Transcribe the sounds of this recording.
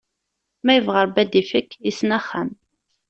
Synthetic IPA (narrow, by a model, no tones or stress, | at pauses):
mæjəvʁəɾbæd̪ifəkːisnæχːæm